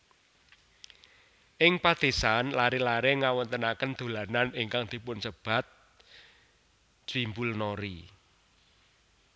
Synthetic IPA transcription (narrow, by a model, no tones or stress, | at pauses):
ʔɪŋpad̪̥esanlaɾelaɾeŋawɔnt̪ənakənd̪̥o̤lananɪŋkaŋd̪̥i̤pʊnsəb̥a̤t̪̚ | d͡ʒ̥wimbulnoɾḭ